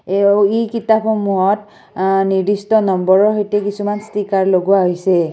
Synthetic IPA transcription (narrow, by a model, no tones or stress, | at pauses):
ijkitapʰxɔmuɦɔt | niɹdistɔnɔmbɔɹɔɦejtɛkisumanstʰikaɹloɡuwaɦojsɛ